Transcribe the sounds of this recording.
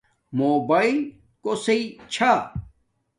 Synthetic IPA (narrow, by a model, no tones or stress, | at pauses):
moːbail | koseit͡ɕʰa